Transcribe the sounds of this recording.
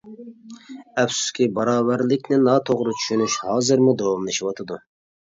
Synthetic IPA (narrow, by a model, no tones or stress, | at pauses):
ɛfsu̥skʲʰibɑɾɑːvæɾlɪkʲnɪnɑt̪ʰoʁɾɨt͡ʃʰy̥ʃynyʃhɑːzɨɾmud̪owɑmlˠɨʃiwɑt̪ʰɨd̪u